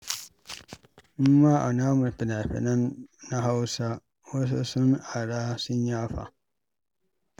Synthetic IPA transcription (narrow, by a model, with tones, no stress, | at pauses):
m̩˦ma˦ʔa˨na˦mʊ˨pɪ˨na˨ɸɛ̰˨na˦na˦ɦa˦wsa˦ | wo˦s̬o˦su˦na˨ɾaː˦si˦ɲaː˦fa̰˨